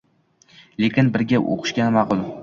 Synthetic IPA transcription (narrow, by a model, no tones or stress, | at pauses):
lekʲɪnbɪɾɡʲaʔo̰qʰɨ̥ʃkʲanɪmɑqʊlˠ